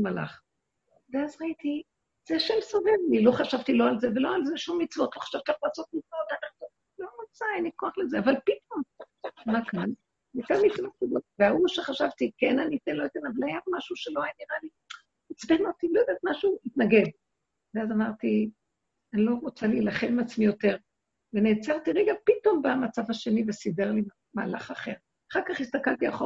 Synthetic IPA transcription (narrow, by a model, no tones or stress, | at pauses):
mala̰χ | veazʁait̪i | z̥eaʃemsovevlilo̞χaʃavt̪ilo̞alzeve̞loalzeʃumːit͡svo̞t̪loχḁʃav̥t̪iaχlaːso̞t̪̚mit͡svo̞t̪anaχnu | lonot͡saanikoaχlezeavalpit̪o̞m | makʰan | mitamit͡svaiboveauʃeχaʃavt̪ikenanit̪enlojit̪enavalajamaʃuʃeloajaniʁali | it͡sbenot̪ilojd̪at̪maʃuit̪naɡe̞d | veazamaʁt̪i | anilo̞ʁot͡salilaχelmeat͡smijo̞te̞ʁ | veneːt͡saʁt̪iʁeɡapit̪o̞mbamat͡savaʃe̞nivesideʁli | maːla̰χaχeʁ | aχaʁkaχist̪akalt̪iaχo